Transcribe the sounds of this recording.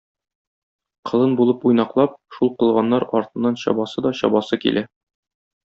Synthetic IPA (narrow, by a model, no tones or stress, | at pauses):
qʰɤ̆lˠɤnbulˠɤpujnɑqlˠɑp̚ʃulˠqɤ̆lˠʁɑnːɑɾɒ̰ɾt̪ɤ̆nːɑnɕɒ̰bɑsɤd̪ɒɕɒ̰bɑsɤkḭlʔæ